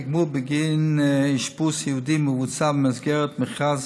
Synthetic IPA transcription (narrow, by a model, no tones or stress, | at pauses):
ɡmubəɡɪnɪʃpusiudiməvuːt͡sabm̩ɛs̬ɡɛɾtmɪχaz